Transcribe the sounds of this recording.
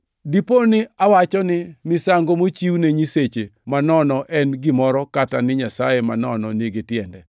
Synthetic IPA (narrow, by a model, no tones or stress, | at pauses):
diponɪawat͡ʃɔnɪmɪsaŋɡomot͡ʃiwneɲiset͡ʃemanɔnɔʔɛnɡɪmɔɾɔkatanɪɲasajema̰nɔnɔniɡɪtjɛndɛ